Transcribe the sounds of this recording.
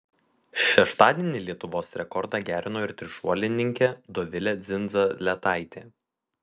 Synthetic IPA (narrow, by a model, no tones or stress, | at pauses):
ʃʲɛʃt̪ɑːd̪ʲiɛnʲɪlʲiɛt̪ʊʋoːsɾʲɛkɔɾd̪ɑːˑɡʲæːɾʲɪnoːɪɾt̪ʲɾʲɪʃuɔlʲɪnʲɪŋʲkʲɛd̪ɔʋʲɪlʲɛd̪zʲɪnd̪zɐlʲɛt̪ɑˑɪt̪ʲeː